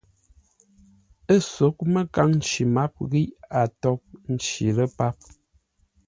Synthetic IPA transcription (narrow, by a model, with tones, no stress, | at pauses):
ə˦so˨˦k̚mə˦ka˦ŋn̩˦t͡ʃi˨ma˦p̚ɣi˦ʔa˨tɔ˦p̚n̩˦t͡ʃi˨lə˦pa˦p̚